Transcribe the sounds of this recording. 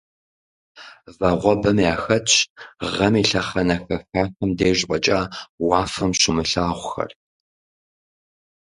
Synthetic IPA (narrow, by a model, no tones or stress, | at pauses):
vɐʁʷɔbɐmjaːxɐt͡ʃʼʁɐmiːɬɐχɐnɐxɐxaːxɐmdeːʒʼpʷʼɐt͡ʃʼaːwɑːfɐmɕɪmɨɬaːʁʷʊxɐ̰r